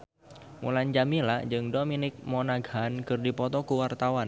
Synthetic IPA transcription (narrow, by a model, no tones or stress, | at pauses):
mṵland͡ʒamilad͡ʒɨŋdominɪk̚mɔnaɡankɨrdipɔt̪ɔkuwart̪awan